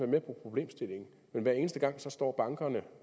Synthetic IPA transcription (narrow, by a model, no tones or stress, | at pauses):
ʋæɐmepʰopʰʁo̝b̥le̝̰ːmsd̥e̝le̝ŋn̩ | menʋæɐ̰e̝ːnəsd̥əɡ̥ɑ̈ŋ̰sɒ̽sd̥ɒ̰ːb̥ɑ̈ŋɡ̥ɐnə